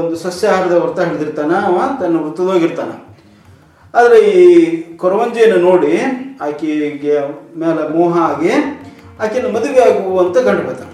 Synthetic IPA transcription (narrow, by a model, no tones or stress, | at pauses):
nd̪usɐsjɐaːɾɐd̪ɐɐɾt̪ɐɦeːɭd̪iɾt̪aːnɐt̪ɐnːɐʋɾut̪ːɐd̪oːɡiɾt̪aːnɐ̰ | aːd̪ɐɾeiːkɔɾɐʋɐɲd͡ʒɐjɐnːɐnoːɽiaːkeɡemeːlemɔːɦɐaːɡi | aːkenːɐmɐd̪uʋejaːɡuʋɐnt̪ɐkɐɳɖɐbet̪a̰ːne